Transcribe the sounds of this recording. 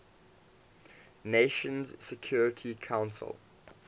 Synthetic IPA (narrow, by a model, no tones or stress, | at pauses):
neʃə̃nzsɛkʰj̥ɔːɹɪtʰikʰãʊ̃nsə̰lˠ